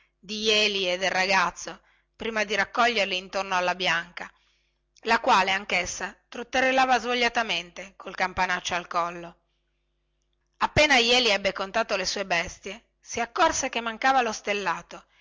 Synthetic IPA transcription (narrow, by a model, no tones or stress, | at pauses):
d̪ijɛːlied̪ːelraɡat̪sːo | pɾiːmad̪iɾakːɔʎːerliːnt̪ornoalːabjaŋka | lakwaːleaŋkesːat̪ɾot̪ːerːelaːvazvoʎːat̪ament̪ekolkampanat͡ʃːoalkɔlːo | apːeːnajɛːliɛbːekont̪aːt̪olesuːebɛst̪je | siakːorsek̟emːaŋkaːvalost̪elːaːt̪o